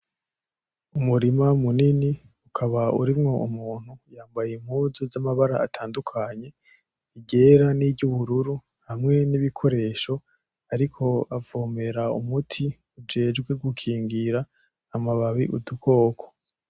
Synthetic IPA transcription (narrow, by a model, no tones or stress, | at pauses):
umuɾimamunini | ukʰaβaṵɾimŋo̞umuːn̥hujaːmbajem̥huːzozamaβaɾa̰atʰaːndukʰaɲe̞ | iɟe̞ɾaniɟuβuɾuɾu | hamŋe̞niβikʰo̞ɾe̞ːʃo̞ | aɾikʰo̞avoːme̞ɾaumutʰi | ud͡ʒe̞ːd͡ʒɡwe̞ɡukʰiːŋɡiɾaː | maβaβiʔudukʰo̞ːkʰo̥